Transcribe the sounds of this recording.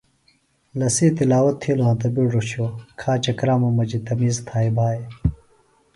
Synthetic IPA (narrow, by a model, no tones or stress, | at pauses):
lɐsiːt̪ilaːwɐt̪ʰːiːloɦãt̪ɐbuɖoɕoːkʰaːt͡ɕɐkɾaːmɐmɐd͡ʑit̪ɐmiːzt̪ʰaːibʱaːe